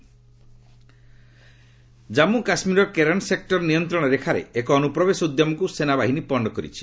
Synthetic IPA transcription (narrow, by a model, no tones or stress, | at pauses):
d͡ʒamukasmiɾɔkeɾeɳsek̚ʈɔɾnijɔnt̪ɾɔɽ̃ɔɾekʰaɾḛekɔːnupɾɔbesɔud̪jɔmɔkusenabaɦinipɔɳɖɔkɔɾḭt͡ʃʰi̥